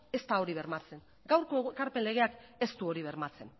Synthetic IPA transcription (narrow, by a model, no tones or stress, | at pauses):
e̞st̪ao̞ɾiβe̞ɾmat͡se̞ŋ | ɡawɾkoeekaɾpe̞nle̞ɣ̞e̞ake̞st̪uo̞ɾiβ̞e̞ɾmat͡se̞n